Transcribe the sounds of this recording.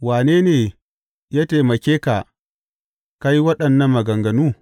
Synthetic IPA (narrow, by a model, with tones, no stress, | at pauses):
waː˨neː˦neː˨ | jaː˦teː˨mɐ˨kʲeː˦ka˨ | ka˦ji˦wɐ˦ɗɐ˨nːɐ˦mːɐ˨ɡɐ˨ŋɡɐ˨nuː˦